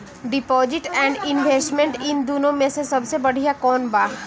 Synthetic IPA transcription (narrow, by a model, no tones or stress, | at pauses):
ɖɪpɔːd͡ʒɪʈɛ̃ːɳɖɪnʋeːsʈmẽɳʈɪnd̪unõmẽsesɐbsebɐɽ̤ijakɔːnbaːɦ